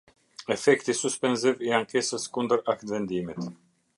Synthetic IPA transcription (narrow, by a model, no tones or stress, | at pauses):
ɛfɛkt̪isuspɛnziviaŋkɛsəskund̪əɾakt̪vɛnd̪imit̪